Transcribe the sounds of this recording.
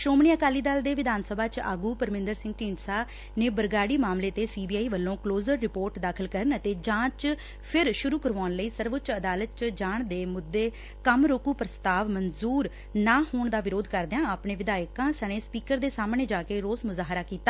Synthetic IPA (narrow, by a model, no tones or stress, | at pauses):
ʃoːmɳiːəkaːliːd̪aːld̪eːʋɪd̪aːnsəbʱaːt͡ʃa̰ːɡuːpəɾmɪ̃nd̪əɾsɪ̃ŋɡʈiːɳɖsaː | neːbəɾɡaːɽiːmaːmleːt̪eːsiːbiːaːiːʋəlːõːkloːzəɾːɪpoːɾʈd̪aːkʰəlkəɾənət̪eːd͡ʒãːt͡ʃ | pʰɪɾʃʊɾuːkəɾʋaːnləiːsəɾʋʊt͡ʃəd̪aːlət̪̚t͡ʃd͡ʒaːɳd̪eːmʊd̪ːeː | kəmɾoːkuːpɾəst̪aːʋmənzuːɾ | naːɦoːɳd̪aːʋɪɾoːd̪kəɾd̪ejãːaːpɳẽːʋɪd̪aːɪkãːsəɽ̃ẽːspiːkəɾd̪eːsaːmɳeːd͡ʒaːkeːɾoːsmʊzaːɦɾaːkiːt̪ːaː